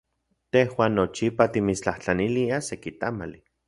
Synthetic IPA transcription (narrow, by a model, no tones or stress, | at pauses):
t̪ehwaːnːot͡ʃipat̪imit͡st͡ɬaht͡ɬaniliasekit̪amali